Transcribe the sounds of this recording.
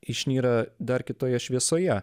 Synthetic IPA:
ɪʃʲnʲiːɾɐd̪ɐɾkʲɪt̪oːjɛʃʲʋʲiɛsoːjɛ

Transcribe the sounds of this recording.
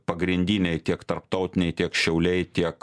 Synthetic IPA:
pɐɡɾʲɪnʲd̪ʲiːnʲɛɪt̪ʲiɛkt̪ɐɾpt̪ɐʊt̪ʲɪnʲɛɪt̪ʲiɛkʃʲɛʊlʲɛɪt̪ʲiɛk

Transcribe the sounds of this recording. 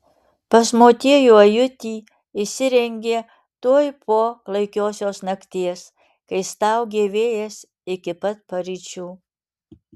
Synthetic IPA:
pɐsmoːt̪ʲeːjuːɐjʊt̪ʲiː | ɪsʲɪɾʲɛŋʲɡʲeː | t̪uɔjpʰoːklˠɐɪkʲoːsʲoːsnɐkʲt̪ʲeːs | kɐɪst̪ɐˑʊɡʲeːʋʲeːjɛs | ɪkʲɪpɐt̪̚pɐɾʲit͡ʃʲuː

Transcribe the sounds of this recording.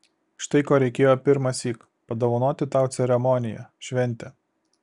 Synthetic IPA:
ʃt̪ɐɪkoːɾʲɛɪkʲeːjoːpʲɪɾmɐsʲiːk | pɐd̪oʋɐnoːt̪ʲɪt̪ɑˑʊt̪sʲɛɾʲɛmɔnʲɪjæ̰ʃʲʋʲɛnʲˑt̪ʲɛ

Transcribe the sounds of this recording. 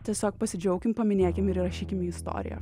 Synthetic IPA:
t̪ʲiɛsʲoːk̚pɐsʲɪd͡ʒʲɛʊkʲɪmpɐmʲɪnʲeːkʲɪmɪɾɪɾɐʃʲiːkʲɪmiːɪst̪o̰ːɾʲɪ̰jɛ̰

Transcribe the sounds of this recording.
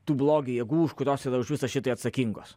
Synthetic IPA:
t̪uːblˠoːɡʲɪjeɛɡuːʊʃkʊɾʲoːsidɐʊʃʋʲɪsɐʃʲɪt̪ɐɪɐt̪sɐkʲiŋɡoːs

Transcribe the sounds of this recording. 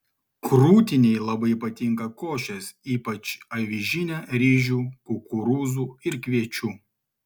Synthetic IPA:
kɾuːt̪ʲɪnʲɛɪlˠɐbɐɪpɐt̪ʲɪŋkɐkoːʃʲɛsiːpɐt͡ʃɐʋʲiʒʲɪnʲæɾʲiːʒʲuːkʊkʊɾuːzuːɪɾkʲʋʲiɛt͡ʃʲuː

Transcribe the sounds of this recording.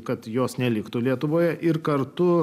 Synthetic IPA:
kɐt̪joːsnʲɛlʲɪkt̪uːlʲiɛt̪ʊʋoːjɛʔɪrkɐrt̪ʊ

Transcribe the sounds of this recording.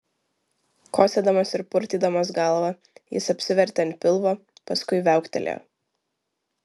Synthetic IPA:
kʰoːsʲɛd̪ɐmɐsɪɾpʊɾʲt̪ʲiːˑd̪ɐmɐs̬ɡɐlˠʋɐ | jɪ̰sɐpʲsʲɪʋʲɛɾʲt̪ʲɐnt̪̚ʲpʲɪlˠʋoː | pɐskʊɪʋʲæˑʊkʲt̪ʲɛ̰lʲo̰

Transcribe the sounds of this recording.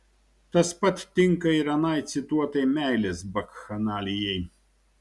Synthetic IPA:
t̪ɐspɐt̪ʲt̪ːʲɪŋkɐɪɾɐnɐɪt̪sʲɪt̪uɔt̪ɐɪmʲæˑɪlʲesbɐkxɐnɑːlʲɪjɛɪ

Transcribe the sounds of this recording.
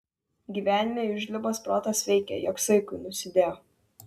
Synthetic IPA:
ɡʲiːʋʲæːnʲɪmʲeːʊʒʲlʲɪboːspɾoːt̪ɐsʋʲɛɪkʲɛ̰jɔksɐɪkʊnʊsʲɪd̪ʲeːjoː

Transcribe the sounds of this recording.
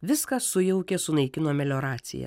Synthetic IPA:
ʋʲɪskɐsʊjɛʊkʲesʊnɐɪkʲɪnoːmʲɛlʲoːɾɑːt̪sʲɪ̰jɛ̰

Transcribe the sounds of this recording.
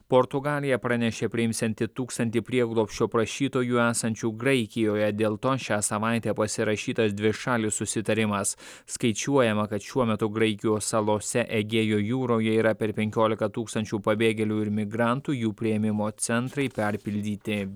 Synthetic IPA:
poːɾt̪ʊɡɑːlʲɪjɛpɾɑnʲɛʃʲeːpʲɾʲɪɪmsʲɛnʲt̪ʲɪt̪uːkst̪ɐnʲt̪ʲiːpʲɾʲiɛɡlˠoːpʲʃʲt͡ʃʲoːpɾɐʃʲiːt̪oːjuːæːsɐnʲt͡ʃʲuːɡɾɐɪkʲɪjoːjɛd̪ʲeːlˠt̪oːʃʲæːsɐʋɑˑɪt̪ʲɛːpɐsʲɪɾɐʃʲiːt̪ɐsd̪ʲʋʲɪʃɑːlʲɪsʊsʲɪt̪ɐɾʲɪmɐs | skɐɪt͡ʃʲuɔjɛmɐkɐt̪ʃʲuɔmʲɛt̪ʊɡɾɐɪkʲɪjoːsɐlˠoːsʲɛʔɛɡʲeːjoːjuːɾoːjɛiːɾɐpʲɛɾpʲɛŋʲkʲoːlʲɪkɐt̪uːkst̪ɐnʲt͡ʃʲuːpɐbʲeːɡʲɛlʲuːɪɾmʲɪɡɾɑˑnt̪uːjuːpʲɾʲɪjɛmʲɪmoːt̪sʲɛnt̪ɾɐɪpʲɛɾʲpʲɪlʲd̪ʲiːt̪ʲɪ

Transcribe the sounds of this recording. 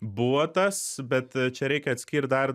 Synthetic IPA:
buʋot̪ɐsbʲɛt̪t͡ʃʲɛɾʲɛɪkʲɛɐt̪ʲsʲkʲiːrʲt̪̚d̪ɐr

